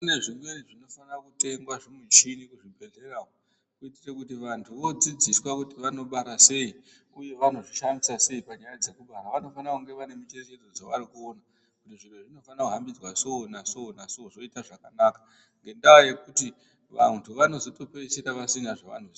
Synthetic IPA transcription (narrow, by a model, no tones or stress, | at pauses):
une̞ʐimweʐino̞fanakute̞ŋɡwaʐimweʃinikuʐibʱe̞ɮe̞rao | kuitirekutiʋantʰuʋo̞d͡zid͡ziswakutiʋano̞ɓaɾase̞i | uje̞ʋano̞ʐiʃamisase̞ipaɲajad͡ze̞kuɓaɾaʋano̞fanakuŋɡe̞ʋane̞mit͡ʃereʃed͡zod͡zoʋarikuona | kutiʐim̤weʐino̞fanakuɦambid͡zwasoːnasoonasozo̞itaʐakanakḁ | ŋɡe̞ndaoje̞kuti | ʋantʰuʋano̞zo̞to̞peiseɾaʋasinaʐaʋa̰n̤oz